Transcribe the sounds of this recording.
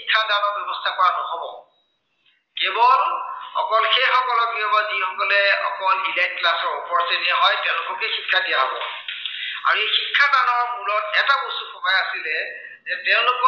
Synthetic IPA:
ikʰːadanɔɹbjɛbɔstʰakɔɹanɔɦɔbɔ | kebɔlɔ̰kɔlxexɔkɔlɔkbiɔbazixɔkɔlɛɔ̰kɔlilɛk̚tklasɔɹupɔɹseniaɦɔjtɛʊ̃lʊkɔkɛxikʰːadijaɦɔbɔ̰ | a̰ɹuexikʰːadanɔɹmulɔtɛtabosuxɔɦɔjasilɛ | zɛtɛʊ̃lʊkɔ

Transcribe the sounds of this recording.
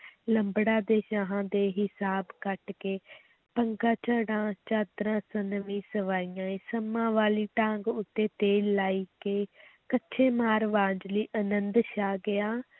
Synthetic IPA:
ləmbɽaːd̪eːʃaːɦãːd̪eːɦɪsaːbkəʈkeː | pəŋɡãːt͡ʃəɽãːt͡ʃaːt̪ɾãːsənʋĩːsəʋaːijãːẽːsəmãːʋaːliːʈãːŋɡʊt̪ːeːt̪eːlːaːiːkeːkətːʃʰeːmaːɾʋaːd͡ʒliːʔənənd̪ʃaːɡɪjaː

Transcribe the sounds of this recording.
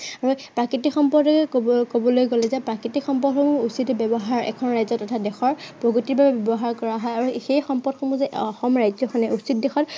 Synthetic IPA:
aɹupɹakitikxɔmpɔɹdɛkkobɔlojɡolɛzɛpɹakitikxɔmpɔdxɔmuusitɛbjɔbɔɦaɹɛ̰kʰɔnɹajzɔtːɔtʰadɛxɔɹpɹɔɡotiɹbabɛbjɔbɔɦaɹkɔɹaɦɔjaɹuxejxɔmpɔdxʰɔmuzɛɔxɔmɹajzɔxʰɔnɛʔusit̚dɛxɔt

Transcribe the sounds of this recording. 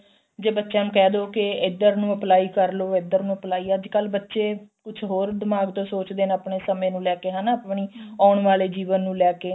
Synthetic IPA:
d͡ʒeːbətːʃãːnũːkɛːd̪oːkɪɪd̪əɾnũːəplaːiːkəɾloːɪd̪əɾnũːəplaːiːəd͡ʒkəlbətːʃeːkʊt͡ʃʰɦoːɾd̪ɪmaːɡt̪õːsoːt͡ʃd̪eːnəpɳeːsəmẽːnũːlɛːkeːɦãːnaːəpɳiːɔːɳʋaːleːd͡ʒiːʋənːũːlɛːkeː

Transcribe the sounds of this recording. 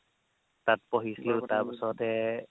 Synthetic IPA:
tat̚pɔɦisleʊtaɹpəsɔtɛ

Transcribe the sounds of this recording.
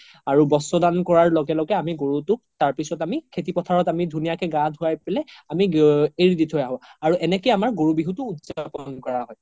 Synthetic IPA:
aɹubɔsɔdankɔɹaɹlɔɡɛlɔɡɛamiɡoɹutʊ | taɹpisɔtamikʰetipɔtʰaɹɔtamidʱunijakɛɡãdʱʊajpelɛamieɹiditʰojaɦɔ̃aɹuʔɛnɛkɔjamaɹɡoɹubiɦutʊːtzapɔnkɔɹaɦɔj

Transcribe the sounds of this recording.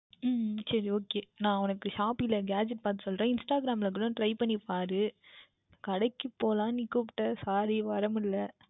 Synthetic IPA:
sɐɾioːkeːnãːɐnɐkːɯʃaːpilɐɡaːd͡ʒɛʈ̚ːpaːɾt̪ːɯsɔlɾẽːɪnsʈaːɡɪɾaːmlɐkːɪɽʊ̃ʈɾɐɪpɐɳːipaːɾɯ | kɐɽɐɪkːɯpːoːlãːnɪkːɯpʈːɐsaːɾiʋɐɾɐmɪlːɐ

